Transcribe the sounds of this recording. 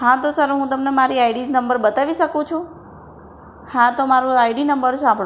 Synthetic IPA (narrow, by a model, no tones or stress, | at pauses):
ɦãt̪osəɾɦũt̪əmnemaɾiajɖid͡ʒnəmbəɾbət̪aʋiʃəkũt͡ʃʰũ | hãt̪omaɾũajɖinəmbəɾsãmbʱɽũ